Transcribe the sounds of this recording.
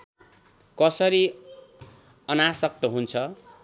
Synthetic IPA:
kʌsʌɾi | ʌnasʌk̚t̪ʌɦunt͡sʰʌ

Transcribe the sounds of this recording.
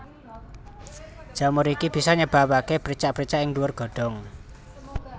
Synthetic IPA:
d̥ʒ̥a̤mʊɾikib̥i̤sɔɲəb̥a̤wakepəɾit͡ʃaʔpəɾit͡ʃaʔɪŋluʊrɡ̥ɔ̤ɖ̥ɔ̤ŋ

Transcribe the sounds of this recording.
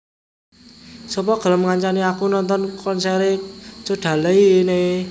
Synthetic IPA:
sɔpɔɡ̥ə̤ləmŋaɲt͡ʃaniakunɔnt̪ɔnkɔnsɛɾet͡ʃoɖ̥a̤ləine

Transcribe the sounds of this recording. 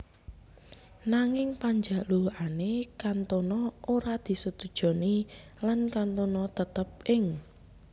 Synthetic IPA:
naŋɪŋpaɲd͡ʒaʔluʔanekant̪onɔoɾad̪̥i̤sut̪ud̥ʒ̥ɔ̤nilankant̪onɔt̪ət̪əp̚ʔɪŋ

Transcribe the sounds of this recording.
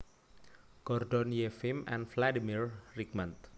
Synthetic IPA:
ɡ̥ɔrdɔnjefimɛ̰̃nfladimirrikmant̪̚

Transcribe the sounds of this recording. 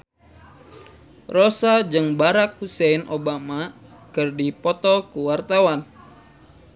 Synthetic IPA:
rosad͡ʒɨŋbaɾak̚husɛinʔobama | kɨrdipɔt̪ɔkuwart̪awan

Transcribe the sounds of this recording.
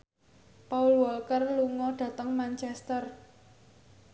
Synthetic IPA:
paulwɔlkərluŋɔɖ̪̥ä̤t̪əŋmant͡ʃɛst̪ər

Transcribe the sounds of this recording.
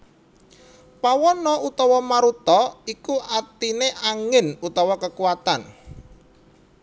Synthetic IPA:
pawɔnɔut̪ɔwɔmaɾut̪ɔikuʔat̪ineʔaŋɪnut̪ɔwɔkəkuwat̪an

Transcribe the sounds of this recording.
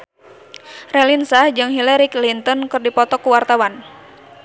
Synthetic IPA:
rɛlinsahd͡ʒɨŋɦilɛɾiklint̪ɔnkɨrdipɔt̪ɔkuwart̪awan

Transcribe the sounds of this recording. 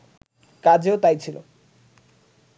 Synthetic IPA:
kad͡ʑeot̪ajt͡ɕʰilo̰

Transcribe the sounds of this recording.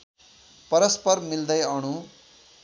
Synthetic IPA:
pʌɾʌspʌrmild̪ʌjʌɽ̃u

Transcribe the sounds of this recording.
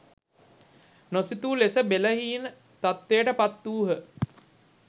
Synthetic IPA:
nosit̪uːlesəbeləɦiːnə | t̪at̪ːejəʈəpat̪ːuːɦə

